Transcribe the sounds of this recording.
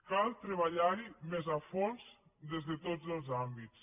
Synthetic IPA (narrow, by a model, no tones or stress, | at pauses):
kalˠt̪ɾeβaʎaɾimezafonz | d̪ezðet̪od͡zəlˠzambit͡s